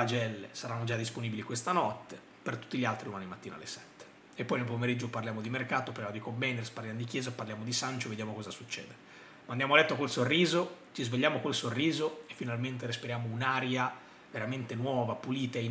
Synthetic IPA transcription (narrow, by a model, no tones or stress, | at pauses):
ad͡ʒɛlːesaɾanːod͡ʒad̪ːisponibilikwest̪anɔt̪ːe | pert̪u̥t̪ːiʎialt̪ɾiumaːnimat̪ːiːna̰lːesɛ̥t̪ːe̥ | epːɔjnelpomeɾid͡ʒːoparljaːmod̪imerkaːt̪oparljaːmod̪ikombɛjnersparljamnd̪d̪ik̟jɛːzapːarljaːmod̪isant͡ʃoved̪jaːmokɔzasut͡ʃːɛ̰ːd̪e | mand̪jamoalːɛt̪ːokelsorːiːzot͡ʃizveʎːaːmokelsorːiːzoefːinalment̪eɾispiɾjaːmounaːɾja | veɾament̪enwɔːvapuliːt̪ai